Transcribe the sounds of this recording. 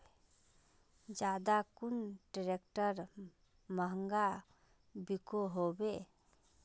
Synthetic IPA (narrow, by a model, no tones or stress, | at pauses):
d͡ʒad̪akunɖɾek̚ʈəɾ | məɦəŋɡa | bikoɦobe